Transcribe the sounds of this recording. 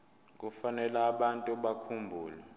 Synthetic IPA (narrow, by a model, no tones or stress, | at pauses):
k̬ʼufanɛlaːɓantʼuɓakʰumbʱuːlɛ